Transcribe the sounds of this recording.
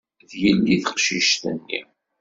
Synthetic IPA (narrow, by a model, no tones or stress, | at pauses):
ðjəlːiθə̥qʃiʃt̪ə̰nːḭ